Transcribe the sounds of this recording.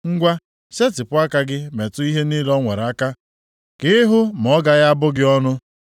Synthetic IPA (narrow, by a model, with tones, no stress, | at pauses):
ŋ̩˦ɡʷa˦ | se˦tɪ˨pʊ˦a˦ka˦ɡɪ˦me˨tʊ˦i˦ɦe˦ni˦lɔ˦ŋʷe˨ɾa˦ka˦ | kɪ˦ɦʊ˦m̩˨ɔ˦ɡa˨ɣa˦a˦bʊ˦ɡɪ˦ɔ˦nʊ˦